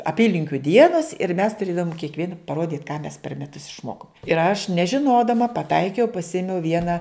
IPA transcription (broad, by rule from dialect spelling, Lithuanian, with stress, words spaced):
ɐˈpʲiːlʲɪŋʲkʲʊ ˈdʲiɛnɐs ɪr mʲɛs tʊˈrʲeːdɐʋoːm kʲiɛkˈʋʲiɛn pɐˈroːdʲiːt kɑː mʲɛs pʲɛr mʲɛˈtʊs ɪʃˈmoːkoːm ɪr ɐʃ nʲɛʒʲɪˈnoːdɐmɐ pɐˈtɐɪkʲɛʊ pɐˈsʲɪmʲɛʊ ˈʋʲiɛnɐ